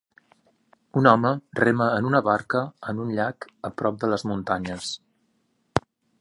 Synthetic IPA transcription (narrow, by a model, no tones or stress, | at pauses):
unɔmərɛməːnunəβaɾkəənunʎakəpɾɔp̚d̪ələzmunt̪aɲəs